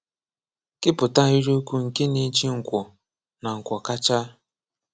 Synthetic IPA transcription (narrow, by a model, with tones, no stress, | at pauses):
kɪ˦pʊ˨ta˦ɦi˦ɾo˦ku˦ŋ̩˨ke˦ne˨˦t͡ʃi˦ŋ̩˨kʷɔ˨ | na˨ŋ̩˨kʷɔ˨ka˦t͡ʃa˦